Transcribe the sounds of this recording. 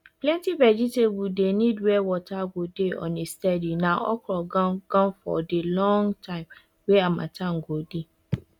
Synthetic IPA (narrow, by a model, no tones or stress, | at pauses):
plɛ̃ntʰivɛd͡ʒitʰebudenĩdwɛwɔtʰaɡodeɔ̰̃nestɛdinãɔ̰kʰɾɔɡɔ̃ɡ̥ɔ̃nfɔ̰delɔ̃ŋtʰãɪ̃m | weamã̰tʰãŋ̩ɡode